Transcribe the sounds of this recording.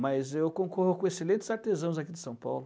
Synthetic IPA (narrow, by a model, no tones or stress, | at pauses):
mɐzewkõkɔhʊkõeselẽnt̪ɪ̥zaɾt̪ezɐ̃w̃zakid̪ɪsɐ̃w̃pa̰wlʊ